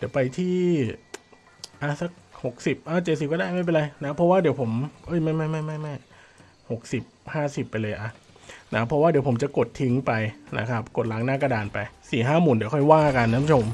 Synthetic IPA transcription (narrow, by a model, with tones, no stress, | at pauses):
di˨˦wpa˧jt̪ʰiː˥˩ | ʔa˧˩sa˦˥k̚ho˨˩k̚si˨˩p̚ʔa˧˩t͡ɕe˨˩t̪̚si˨˩kːdaː˥˩jma˥˩p̬e˧nɾa˧jna˦˥pʰɔ˦˥waː˥˩di˨˩˦pʰo˩˦mʔɤ˧˥˩jma˥˩jma˥˩jma˥˩jma˥˩jma˥˩j | ho˨˩k̚si˨˩p̚haː˥˩si˨˩pːa˧jlɤː˧jʔa˧˩ | na˦˥˩pʰɾɔ˦˥waː˥˩di˩˦pʰo˩˦mt͡ɕa˨˩ko˨˩t̪ʰːi˧˦˥ŋpa˧jna̰˦˥kʰa˦˥p̚ko˨˩t̪̚la˨˦ŋnaː˥˩ka˧daː˨npa˧jsiː˨˩ɦaː˥˩muː˨˩ndi˩˦kʰɔ˥˩jwaː˥˩ka˧nː˧˥˧pʰːt͡ɕʰo˧m